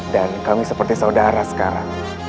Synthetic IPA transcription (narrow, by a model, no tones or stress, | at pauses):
dankamisəpərt̪isaudaɾasə̥ka̰ɾa̰ŋ